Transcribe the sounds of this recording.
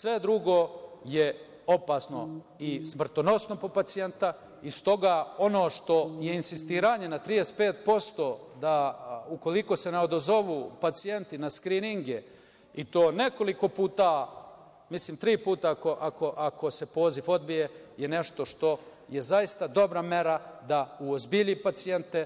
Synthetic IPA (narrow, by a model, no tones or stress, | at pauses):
sʋe̞d̪ɾuɡo̞je | o̞pasno̞ | ismr̩t̪o̞no̞sno̞po̞pat̪sie̞nt̪a | ist̪o̞ɡaːo̞no̞ːʃt̪o̞je̞insist̪iːɾaɲe̞nat̪ɾiespe̞ːt̪̚po̞st̪o̞ːd̪auko̞liko̞se̞neod̪ozo̞ʋuːpat̪sije̞nt̪inaskɾiniŋɡe | it̪o̞ːneko̞liko̞puːt̪a | misliːmt̪ɾiːpuːt̪ako̞ʔako̞ʔakʰo̞se̞po̞ːzifo̞d̪̚bije̞je̞ne̞ʃt̪o̞ʃt̪o̞ | je̞zaist̪ad̪o̞bɾame̞ɾad̪auozbiʎipat̪sie̞nt̪e̞